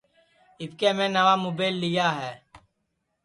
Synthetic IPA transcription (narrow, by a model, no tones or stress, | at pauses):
ɪpkeːmẽːnəʋaːmoːbeːlːɪjaːɦɛː